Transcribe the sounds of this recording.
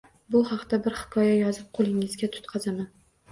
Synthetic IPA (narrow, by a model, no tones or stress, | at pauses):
bʊhɑqt̪abɪɾhɪ̥kʰɒjajɒzɪp̚qʰolˠɪŋɪzɡʲat̪ʰʊ̥t̪qʰɑzaman